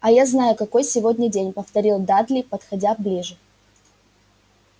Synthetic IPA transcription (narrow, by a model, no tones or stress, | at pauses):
ɐjaznajʊkɐko̞jsʲɪvo̞dʲnʲədʲenʲpəft̪ɐɾʲilˠd̪ad̪lʲipət̪xɐdʲablʲiʐɨ